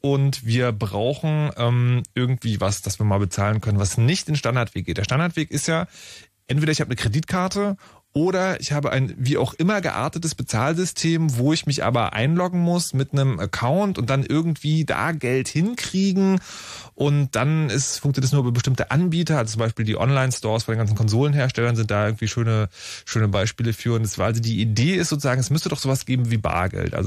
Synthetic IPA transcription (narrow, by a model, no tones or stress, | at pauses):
ʔʊntv̥iːɐbʁaʊxn̩ʔɛːmʔɪɐɡŋ̩tv̥iːvasd̥asv̥iːɐmaːlbət͡saːlənkʰœnənvasnɪçtɪnʃtandaɐtv̥eːk̚ɡ̥eːtd̥eɐtandaɐtv̥eːkɪstjaː | ʔɛntv̥eːɾɐɪçhaːbənəkʁ̥ediːtkʰaɐtə | ʔoːɾɐɪ̰çhaːbəʔa̰ɪnviːa̰ʊxʔɪmɐɡə̰ʔa̰ɐtətəsb̥ət͡saːlzʏstʰeːmvoːɪçmɪçʔa̰ːbɐʔa̰ɪnlɔɡŋ̩mʊsmɪtnəmʔəkʰaʊntʊnt̚d̥anʔɪɐɡŋ̩tv̥iːda̰ːɡɛlthɪnkʁ̥iːɡŋ̩ʔʊnt̚d̥anɪsfʊŋkt͡sjontːsnuːɐyːbɐbəʃtɪmtəʔanbiːtɐʔalzot͡sʊmbaɪʃpiːldiːʔɔ̰nlaɪnstɔɐsfɔndeːnɡant͡ssn̩kʰɔnzoːlənɦeːɐʃtɛlɐnzɪnt̚d̥aːʔɪɐɡŋ̩tv̥iːʃøːnəʃøːnəbaɪʃpiːləfyːɐʊntd̥asv̥aːɐʔalzodiːʔideːɪstz̥oːt͡sʊzaːɡŋ̩ɛsmʏstədɔχz̥oːvasɡ̥eːbm̩viːba̰ːɐɡɛ̰ltʔa̰lz